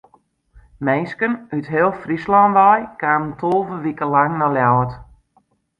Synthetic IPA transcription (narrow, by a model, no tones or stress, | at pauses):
mejskənytɦɪːlˠfrislandɛjkaːməntʰolˠvəʋikəlaŋnɔljawət